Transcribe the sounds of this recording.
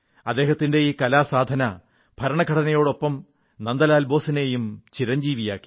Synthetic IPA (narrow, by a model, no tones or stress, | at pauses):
ɐd̪ːe̞ːɦɐt̪ːinde̞ikɐlaːsaːd̪ʱɐnɐ | bʱɐɾɐɳɐkʰɐɽɐnɐjo̞ːɽo̞pːɐm | nɐnd̪ɐlaːlbo̞ːsineːjumt͡ɕiɾɐɲd͡ʑiːʋija̰ːkːi̥